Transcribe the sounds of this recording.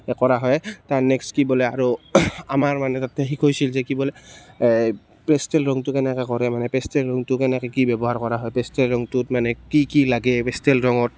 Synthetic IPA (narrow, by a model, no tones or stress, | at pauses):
ɛkɔɹaɦɔjtaɹnɛkskibɔlɛaɹuamaɹmanɛtatɛɦikʰojsilzɛkibɔlɛ | pɛstɛlɹɔŋtʊkɛnɛkɛkɔɹɛmanɛpɛstɛlɹɔŋtʊkɛnɛkɛkibɛbɔɦaɹkɔɹaɦɔjpɛstɛlɹɔŋtutmanɛkikilaɡɛpɛstɛlɹɔŋɔt̚